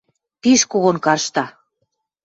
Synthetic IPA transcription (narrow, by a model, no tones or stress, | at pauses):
t̪iʃkoɣonkɑrʃt̪ɑ